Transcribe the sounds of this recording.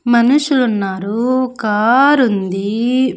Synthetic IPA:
mɐnuʂulunːaːɾukaːɾund̪i

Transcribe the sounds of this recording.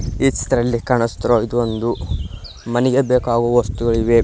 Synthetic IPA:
iːt͡ʃːt̪ɐɾɐlːikaːɳɐst̪ɐɾoːid̪uond̪u | mɐnɛɡebeːkaːɡuʋɐst̪uɡɐɭiʋe

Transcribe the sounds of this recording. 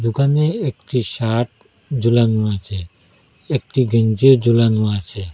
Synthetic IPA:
d͡ʒuɡanẽek̚ʈisaːʈ̚d͡ʒulanũat͡ʃʰe | ek̚ʈiɡənd͡ʒed͡ʒulanũat͡ʃʰe

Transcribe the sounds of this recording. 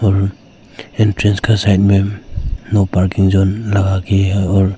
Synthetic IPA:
ɔɾ | intɾenskʰasajt̚menɔpaɾkiŋzɔnlaɡakʰeɔɾ

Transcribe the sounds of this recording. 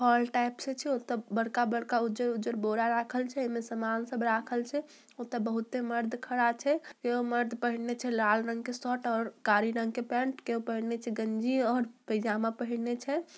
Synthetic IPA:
pɔlʈajpset͡ʃʰɛot̪əbəɽkabəɽkaud͡ʒəɾud͡ʒəɾboɾaɾakʰəlt͡ʃʰɛːmesəmansəbʱɾakʰəlt͡ʃʰɛ | ot̪əbəɦut̪ːeməɾd̪ʱkʰəɽat͡ʃʰɛkeoməɾd̪ʱpəɦiɽnet͡ʃʰɛlalɾə̃ŋɡkesɔʈɔːɾkaɾiɾəŋɡ̚kepɛ̃ɳʈkeɦopəɦiɽnet͡ʃʰɛɡənd͡ʒiɔːɾpəjd͡ʒamapəɦiɽnet͡ʃʰɛ

